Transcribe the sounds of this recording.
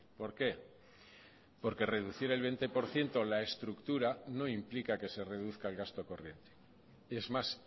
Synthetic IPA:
po̞ɾke̞ | po̞ɾke̞re̞ðuθiɾe̞lβe̞nt̪e̞po̞ɾθje̞nt̪o̞lae̞st̪ɾukt̪uɾano̞implikake̞se̞re̞ðuθkaelɣast̪o̞ko̞rje̞nt̪e̥ | ezmas

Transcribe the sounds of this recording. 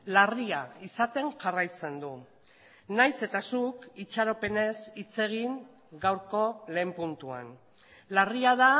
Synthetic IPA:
lariaisat̪e̞ŋʝarajt͡se̞nd̪u | najse̞t̪asukit͡ʃaɾo̞pe̞ne̞sit͡se̞ɣiŋ | ɡawɾko̞le̞ːmpunt̪ua̰n | lariað̞a

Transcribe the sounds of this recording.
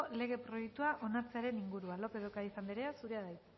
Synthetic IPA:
le̞ɣ̞e̞pɾo̞jek̚t̪uaʔo̞nat͡se̞aɾe̞niŋɡuɾualo̞pe̞ðokaisamb̪eɾe̞asuɾe̞aðajt̪

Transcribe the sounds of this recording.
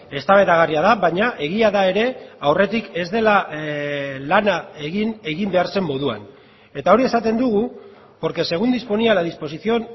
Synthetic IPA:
e̞st̪aβe̞ðaɣ̞ariaðaβajɲaʔe̞ɣiaðae̞ɾe̞awre̞t̪ike̞zd̪e̞la | lanaeɣine̞ɣimbe̞aɾse̞mːo̞ðua̰n | e̞t̪ao̞ɾie̞sat̪e̞nd̪uɣ̞u | po̞ɾke̞se̞ɣund̪ispo̞nialaðispo̞siθio̞n

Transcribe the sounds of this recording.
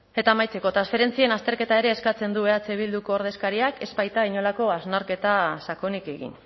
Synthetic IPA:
e̞t̪aːmajt͡se̞ko̞t̪ɾansfe̞ɾe̞nt͡sienast̪e̞ɾke̞t̪aeɾe̞ːskat͡se̞nd̪uβeat͡seβild̪uko̞ːɾð̞e̞skaɾiake̞zpajt̪aiɲo̞lako̞aznaɾke̞t̪asako̞nike̞ɣḭn

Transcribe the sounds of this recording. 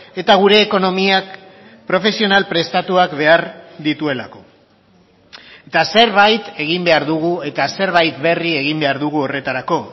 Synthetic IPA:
e̞t̪aɣ̞uɾe̞ːko̞no̞miak | pɾo̞fe̞sio̞nalpɾe̞st̪at̪uakbe̞aɾd̪it̪ue̞la̰ko̞ | et̪ase̞ɾβ̞ajt̪e̞ɣ̞imbe̞aɾðuɣue̞t̪ase̞ɾβajt̪be̞rie̞ɣimbe̞aɾðuɣ̞uo̞re̞t̪aɾako̞

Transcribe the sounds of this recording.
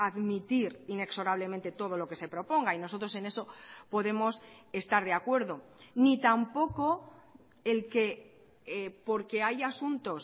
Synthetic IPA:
aðmit̪iɾine̞kso̞ɾaβ̞le̞ment̪e̞t̪o̞ð̞o̞lo̞ke̞se̞pɾo̞po̞ŋɡaino̞so̞t̪ɾo̞se̞ne̞so̞po̞ðe̞mo̞se̞st̪aɾðeakwe̞ɾðo̞nit̪ampo̞ko̞ | elke̞ | po̞ɾke̞ajasunt̪o̞s

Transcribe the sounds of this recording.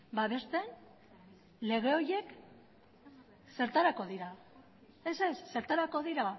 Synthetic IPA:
baβe̞st̪en | le̞ɣ̞e̞o̞je̞k | se̞ɾt̪aɾako̞ðiɾa | e̞se̞sːe̞ɾt̪aɾako̞ðiɾa

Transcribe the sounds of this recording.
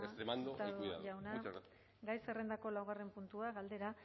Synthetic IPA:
est̪ɾemand̪ot̪aðuaʎawna | ɡajserend̪ako̞lawɣare̞mpunt̪uaɣald̪e̞ɾa

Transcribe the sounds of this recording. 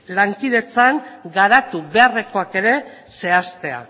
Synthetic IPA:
laŋkið̞e̞t͡saŋɡaɾat̪uβe̞areko̞ake̞ɾe̞ | se̞ast̪e̞a̰

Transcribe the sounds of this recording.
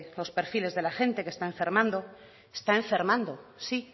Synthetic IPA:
lo̞spe̞ɾfile̞zðe̞laxẽ̞nt̪eke̞st̪aẽɱfe̞ɾmãnd̪o | est̪aẽɱfe̞ɾmãnd̪o̞si

